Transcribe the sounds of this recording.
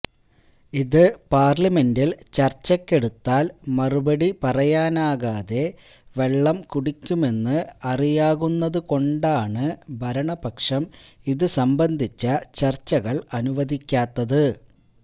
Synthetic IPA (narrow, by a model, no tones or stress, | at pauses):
iðɨpaːrlɐme̞ndilt͡ɕɐrt͡ɕːɐkʲːe̞ɽut̪ːaːlmɐrubɐɽipɐrɐjaːnaːɣaːðe̞ | ʋe̞ɭːɐmkuɽikʲːume̞nːɨɐrijaːɣunːɐðɨko̞ɳɖaːɳɨbʱɐɾɐɳɐbɐkʂɐmiðɨsɐmbɐnd̪ʱit͡ɕːɐt͡ɕɐrt͡ɕːɐɣɐɭɐnuʋɐd̪ʱikʲːaːt̪ːɐðɨ